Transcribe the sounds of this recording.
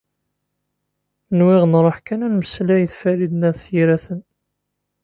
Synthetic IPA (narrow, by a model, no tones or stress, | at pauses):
nwɪʁnɾˤəħkænænməslæjəθfælid̪næðθjiɾæθən